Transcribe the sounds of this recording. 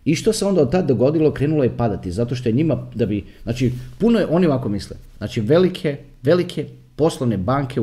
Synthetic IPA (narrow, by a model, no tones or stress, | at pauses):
iʃt̪oseo̞nd̪aod̪̚t̪ad̪̚d̪o̞ɡo̞d̪ilo̞kɾe̞ːnulojepad̪at̪izat̪oʃt̪o̞jeɲimad̪abiznaːt͡ʃipunojeʔo̞niʋakomislḛz̥naːt͡ʃiʋe̞likʰe | ʋe̞likʰe̞ | po̞slˠoʋne̞baːŋkʰe